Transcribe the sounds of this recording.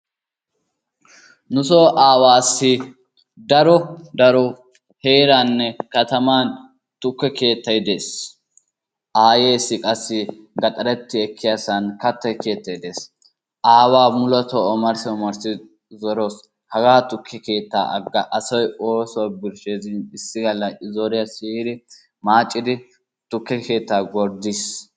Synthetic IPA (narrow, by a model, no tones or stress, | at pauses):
nʊs̬oːʔaːwaːsːɪ | d̪ɐɾɔd̪ɐɾɔ | heːɾanːɛkɐt̪ɐmaːn | t̪ʊkːɛke̞ːt̪ːɐjd̪e̞ːs | ʔaːjeːsːɪkʼɐsːɪɡɐt̪ʼɐɾɛt̪ːɪɛkʰːɪjasɐnkɐt̪ːɛke̞ːt̪ːɐjd̪e̞ːs | ʔaːwaːmʊlɔt̪ɔɔmɐɾsɔmɐɾsɪ | zɔɾo̞ːs | hɐɡaːt̪ʊkʰːɛke̞ːt̪ːa̰ːʔɐɡːɐʔɐsɔjoːsɔbɪɾʃeːzɪnɪsːɪɡɐlːɐɪzoɾɪjɐsiːhɪd̪ɪ | maːt͡ʃʼːɪd̪ɪ | t̪ʊkːɛke̞ːt̪ːaːɡɔɾd̪is